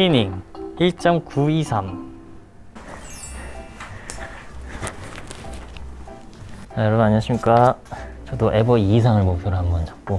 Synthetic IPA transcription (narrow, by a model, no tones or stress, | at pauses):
imiŋiɭt͡ɕ͈ʌmkuisʰam | ajʌɾʌbunaɲiʌɕ͈imɲik͈at͡ɕʌdoʔebʌiːsʰaŋɯɭmok̚pʰjʌɾoɦambʌnt͡ɕḁp̚k͈o